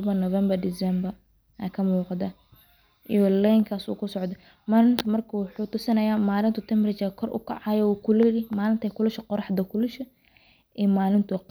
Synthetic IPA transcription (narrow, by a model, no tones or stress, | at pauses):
bɐnɔvɛmbɐrd̪ɪsɛmbɐ | akʰɐmuːqɑd̪ɐ | ʔijɔlɛjŋkʰaːsṵːkʰʊsɔʕd̪ɐ | maːlɪnt̪ʰʊmɐrkʰɐwʊħuːt̪ʊsɪnɐjaːmaːlɪnt̪ʊt̪ʰɛmrɪt͡ʃɐkʰɔrʔʊ̰kʰɐ̰ʕɑjɛuːkʰʊlɪɾɪmaːlɪnt̪ʰɛkʰʊlʊʃqɔrɑħd̪ɐkʰʊlʊʃɐ | ʔɛːmaːlɪnt̪ʰʊq